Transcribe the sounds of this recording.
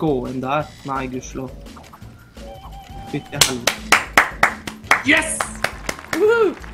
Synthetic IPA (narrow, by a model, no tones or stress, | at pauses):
oːənd̪æɾnæɪɡʉʂlʊ | ɪtːəhɛlː | jɛs